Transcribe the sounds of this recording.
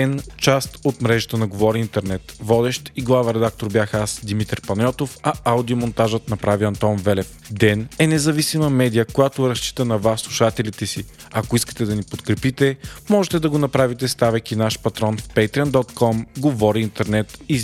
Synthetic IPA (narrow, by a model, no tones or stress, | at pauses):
ɛnt͡ʃast̪ot̪mɾɛʒət̪ənɐɡovɔɾiint̪ɛɾnɛt̪vɔd̪ɛʃt̪iɡlˠavɛɾɛd̪ak̚t̪oɾbʲjaxasd̪imit̪ɾpɐnʲɔt̪ofɐawd̪iomont̪aʒət̪nɐpɾaviɐnt̪ɔnvɛlɛf | d̪ɛnɛnɛzɐvisimɐmɛd̪ijəkojat̪oɾɐʃt͡ʃi̥t̪ənɐvasːlˠuʃat̪ɛlit̪ɛsi | ɐkoiskə̥t̪ɛd̪ɐnipot̪kɾɛpit̪ɛmɔʒɛt̪ɛd̪ɐɡonɐpɾavit̪ɛst̪avɛkinaʃpɐt̪ɾɔnfpɛjt̪ɾiənd̪ɔt̪kɔmɡovɔɾiːnt̪ɛɾnɛt̪i